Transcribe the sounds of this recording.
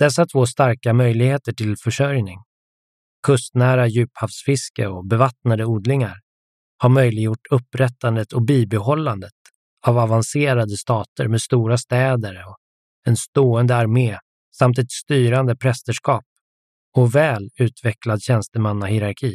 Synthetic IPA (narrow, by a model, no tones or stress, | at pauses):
d̪̥ɛs̬ːat̪ʰv̥oːst̪aɾkamœjlɪɡheːt̪əʈʰɪlfœʂœɾjnɪŋ | kʰɵst̪næːɾajʉ̟ːphafsfɪskəɔbɛvat̪nad̪əuːd̪lɪŋaɾ | haɾmœjlɪɡjʊʈːʰɵpːɾɛt̪ːand̪ət̪ʰɔbiːbɛɦɔlːand̪ət̪ | avavanseːɾad̪əst̪ɑːt̪əɾmeːd̪st̪uːɾast̪ɛːd̪əɾɔ | ɛnst̪oːənd̪əaɾmeː | samt̪ɛt̪st̪yːɾand̪əpʰɾɛst̪əʂkɑːp̚ | ɔvɛːlʉ̟ːt̪vɛklad̪ɕɛnst̪əmanːahɪɾaɾkʰiː